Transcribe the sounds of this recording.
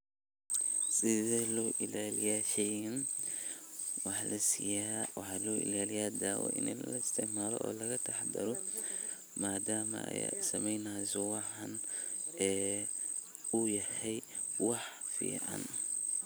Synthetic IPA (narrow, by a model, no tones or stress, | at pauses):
sɪðɛlɔːʔɪlaːlijaːʃɛjɐn | wɑħlʔɐsijawɑħɑlɔːʔɪ̰laːlɪjaːd̪aːwɔ̰ʔɪ̰nillɐɪst̪ʰɪʕmaːlɔ̰ʔɔ̰ːlɐɣɐt̪ʰɐħd̪ɐɾɔ | maːd̪aːmɐ̰ɐ̰ja̰sɐmɛjnaːsɔwɑħɑnɛː | ʊjɐhɛj | wɑħfḭːʕɑ̰n